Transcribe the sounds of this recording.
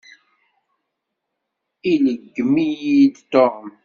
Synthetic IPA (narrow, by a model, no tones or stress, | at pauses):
iləɡːmijid̪t̪om